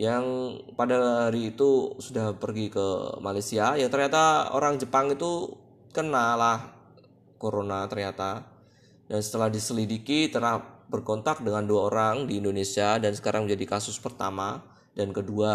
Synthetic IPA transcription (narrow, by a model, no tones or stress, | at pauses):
jaŋ | padaɦaɾiːt̪usudahpərɡikəmalajsiajaŋt̪ərɲat̪ao̰ɾaŋd͡ʒəpaŋit̪u | kənalah | koɾonat̪ərɲat̪a | dansə̥t̪əlahdisəlidikit̪ərnahbərkɔnt̪ak̚dəŋanduaoɾaŋdiːndonesiadansə̥kaɾaŋməɲd͡ʒadikasʊspərt̪ama | dankədua